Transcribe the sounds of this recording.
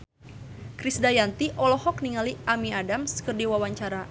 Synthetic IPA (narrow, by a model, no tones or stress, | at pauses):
kɾisdajant̪iʔɔlɔhɔk̚niŋaliʔamiadamskərdiwawaɲt͡ʃaɾa